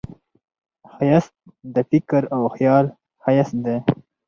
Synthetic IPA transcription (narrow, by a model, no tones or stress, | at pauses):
xajas | d̪əfɪkɾawxjɑl | hajasnd̪e